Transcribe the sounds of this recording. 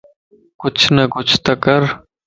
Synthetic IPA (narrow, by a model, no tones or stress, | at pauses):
kʊt͡ʃʰnɐkʊt͡ʃʰt̪ɐkəɾ